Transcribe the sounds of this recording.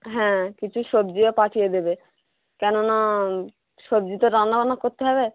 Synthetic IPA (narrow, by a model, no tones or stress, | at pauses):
ɦɛ̃kit͡ɕʰuʃobd͡ʑiepaʈʰijed̪ebe | kɛnona | ʃobd͡ʑit̪oɾanːabanakoɾt̪eɦɔbe